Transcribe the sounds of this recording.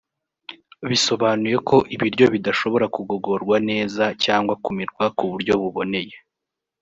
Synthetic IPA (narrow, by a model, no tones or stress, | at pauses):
βiso̞βanuje̞kʰo̞ʔiβiɾɟo̞βidaʃo̞βo̞ɾakuɡo̞ɡo̞ɾɡwane̞ːzacaːŋɡwakumiɾɡwakuβuɾɟo̞βuβo̞ne̞je̞